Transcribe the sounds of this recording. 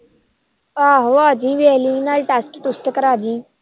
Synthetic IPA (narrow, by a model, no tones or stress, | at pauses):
aɦoad͡ʑĩʋeɦlĩnaɾʈasʈt̪ust̪əkəɾaːd͡ʑĩ